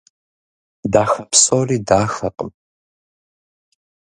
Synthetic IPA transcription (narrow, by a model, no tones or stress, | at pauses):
daːxɐpsʼoːriːdaːxɐqʼə̰m